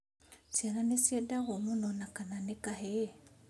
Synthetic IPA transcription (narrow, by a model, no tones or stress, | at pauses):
sjananesjedaɣomunonakananekahe